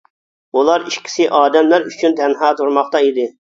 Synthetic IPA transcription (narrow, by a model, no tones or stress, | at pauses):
ulˠɑɾiʃkʲʰi̥sɪʔɑːd̪ɛmlæɾyt͡ʃʰynt̪ʰɛnɦɑːt̪ʰuɾmɑχt̪ɑid̪ɪ